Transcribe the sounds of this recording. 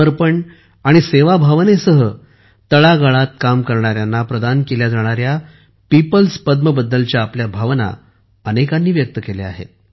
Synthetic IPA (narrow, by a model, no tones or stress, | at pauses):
əɾpəɳ | aɽ̃iseʋabʱaʋnesəɦə | t̪əɭaɡəɭat̪̚kamkəɾɳ̃aɾjanːapɾəd̪ankeljad͡zaɽ̃aɾja | pipəlspəd̪̚məbəd̪ːəlt͡ɕjaːpljabʱaʋna̰ | ənekanːiːʋjək̚t̪əkelḛa̰ɦḛt̪̚